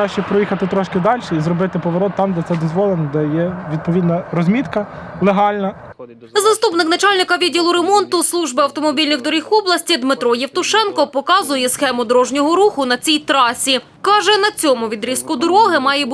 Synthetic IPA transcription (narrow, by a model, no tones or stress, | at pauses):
ɑʃt͡ʃɛpɾɔjixɐt̪ɪt̪ɾɔʃkɪd̪ɑlʲʃɛizɾɔbɪt̪ɪpɔʋɔɾɔt̪ːɑmd̪ɛt̪sɛd̪ɔzʋɔlˠenɔd̪ɛjɛʋʲid̪̚pɔʋʲid̪nɐɾɔzʲmʲit̪kɐlˠeɦɑlʲnɐ | zɐst̪upnɪknɐt͡ʃɑlʲnɪkɐʋʲidʲilˠʊɾemɔnt̪ʊslˠuʒbɪɐwt̪ɔmɔbʲilʲnɪxd̪ɔɾʲixɔblˠɐsʲtʲid̪mɪt̪ɾɔjɛwt̪ʊʃɛnkɔpɔkɑzʊjɛsxɛmʊd̪ɔɾɔʒnʲɔɦɔɾuxʊnɐt͡sʲijt̪ɾɑsʲi | kɑʒɛnɐt͡sʲɔmʊʋʲid̪ɾʲiskʊd̪ɔɾɔɦɪmɑjɛb